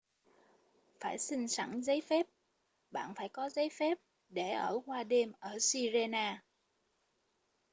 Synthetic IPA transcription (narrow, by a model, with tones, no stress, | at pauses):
faː˧˩jsï˧ŋ̟sa̰˧˩ŋzə˨˦jfɛ˦˥p̚ | ɓa̰ː˧˨nfaː˧˩jkɔ˨˦zə˨˦jfɛ˦˥p̚ | ɗe˧˩ʔəː˧˩kwaː˧ɗe˧mʔəː˧˩si˧ze˧naː˧